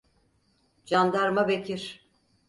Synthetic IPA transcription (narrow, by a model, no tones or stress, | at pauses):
d͡ʒand̪aɾmabecʰiɾ̥